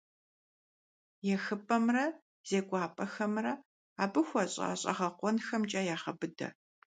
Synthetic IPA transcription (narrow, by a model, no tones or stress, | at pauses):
jɛxɨpʼɐmrɐ | z̥eːɡʷaːpʼɐxɐmrɐ | aːbɨxʷɔɕʼa̰ːɕʼɐ̰ʁɐqʷɔnxɐmt͡ʃʼaːjaːχɐbɨdɐ̰